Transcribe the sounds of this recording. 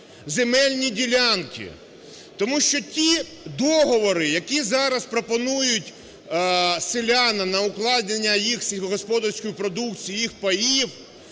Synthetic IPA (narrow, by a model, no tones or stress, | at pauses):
zemɛlʲnʲidʲilʲɑnkʲḭ | t̪ɔmuʃt͡ʃɔtʲi | d̪ɔɦɔʋɔɾɪjɐkʲizɑɾɐspɾɔpɔnujʊtʲ | selʲaɑnɐnɐʊklˠɑd̪ʲnenʲːɐjixsʲiɦɔɦɔspɔd̪ɐrsʲkɔjipɾɔd̪ukt͡sʲijijixpɐjiw